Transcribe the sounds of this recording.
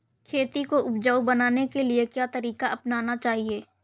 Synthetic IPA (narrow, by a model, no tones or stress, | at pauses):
kʰeːt̪ikoʔʊpd͡ʒaubɐnaːnekeliekjaːt̪ɐɾiːkaʔɐpnaːnat͡ʃaːɦieː